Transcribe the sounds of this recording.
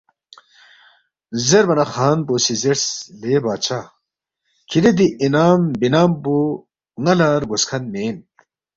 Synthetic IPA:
zeɾbɐnɐxaːnboːsizeɾsleːbaːt͡ɕʰa | kʰiɾed̪iʔinaːmbinaːmbu | ŋɐlaːɾɡoskʰɐnmeːn

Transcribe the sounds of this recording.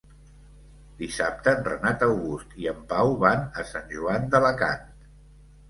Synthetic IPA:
d̪isap̚t̪ənrə̰nat̪əwɣust̪iəmpawβanəsanʲʒuand̪ələka̰nt̪

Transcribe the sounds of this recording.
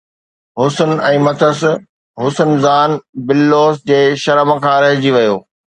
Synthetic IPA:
ɦʊsənɛ̃ːmɐt̪ʰəs | ɦʊsənzaːnbɪlːoːsd͡ʑeːʃɐɾəmkʰãːɾɐɦɪd͡ʑiʋɐjoː

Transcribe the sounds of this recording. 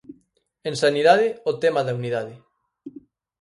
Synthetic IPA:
ẽnsaniðaðɪot̪ɛmaðauniðað̞ɪ

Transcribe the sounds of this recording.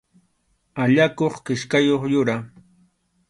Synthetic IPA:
aʎakoχkɪʃkajoχjʊɾa

